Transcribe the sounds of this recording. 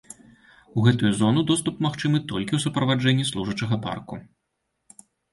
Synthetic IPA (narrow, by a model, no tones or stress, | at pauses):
uɣɛt̪ujuzɔnud̪ɔst̪upmaxt͡ʂɨmɨt̪ɔlʲkʲiwsupɾɐvad͡ʐɛnʲːislˠuʐɐt͡ʂɐɣɐpa̰rku